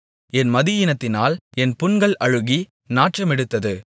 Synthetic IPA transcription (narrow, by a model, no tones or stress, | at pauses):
ɛnmɐðɪjɪnɐt̪ːɪnaːlɛnpʊnɡɐɭʔɐɻɯɣi | naːʈrɐmɛɽɯt̪ːɐðɯ